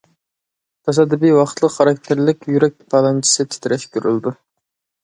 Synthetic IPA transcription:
t̪ʰɑsɑd̪ɪbijwɑχt̪ʰlˠəqχɑɾɑk̚ʲt̪ʰɪɾlɪkʲjyɾɛk̚ʲpʰɑlˠɑnt͡ʃʰi̥sɨt͡ʃ̪ʰi̥t̪ʰɪɾɛʃkʰʲyɾylˠd̪u

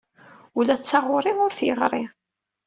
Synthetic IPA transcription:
ʊlæt͡sːɑʁʊɾɪʊɾθjəʁɾˤi

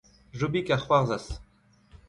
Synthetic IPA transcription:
ʒobikaχwaʁzas

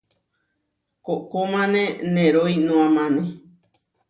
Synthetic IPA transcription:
kokomãnẽnẽɾojnũãmãnẽ

